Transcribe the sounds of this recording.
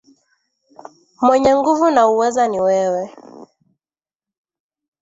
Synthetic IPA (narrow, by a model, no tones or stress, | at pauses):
mwɛɲɛŋɡuvunauwɛzaniwɛwɛ